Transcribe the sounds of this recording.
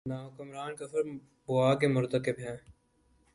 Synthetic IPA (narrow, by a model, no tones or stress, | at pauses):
naːɦkəmɾaːnkɐfəɾ | bʊaːkemʊɾt̪əkɪbɦɛ̃ː